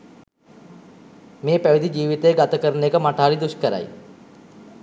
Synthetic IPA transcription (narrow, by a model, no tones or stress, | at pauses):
meːpæʋid̪id͡ʒiːʋit̪əjːɡat̪əkəɾənekəmaʈaːɾid̪uʃkəɾa̰j